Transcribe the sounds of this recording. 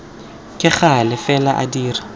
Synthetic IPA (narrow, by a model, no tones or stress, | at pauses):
kʼɪχalɪfɛlaʔa̰diːri